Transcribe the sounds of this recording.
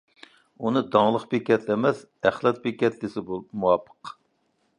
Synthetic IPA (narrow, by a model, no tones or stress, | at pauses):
unɨd̪ɑŋlˠəqbekʲɛt̪ʰlɛmɛs | æχlˠɛt̪̚bekʲɛt̪lɪsɪbumuwɑpʰə̥q